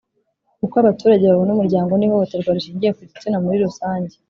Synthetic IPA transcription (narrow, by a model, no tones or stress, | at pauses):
kukoaβatuːɾaɟe̞βaβonumuɾɟaːŋɡo̞nihoβoteɾɡaɾiʃiːɲɟije̞kuitinamuɾiɾusaːɲɟe